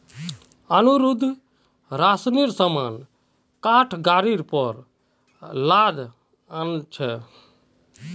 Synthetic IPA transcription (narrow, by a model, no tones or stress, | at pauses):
ənuɾud̪ʱ | ɾasniɾsəman | kaʈʰɡaɾiɾpɔɾ | lad̪ | ənt͡ʃʰɛ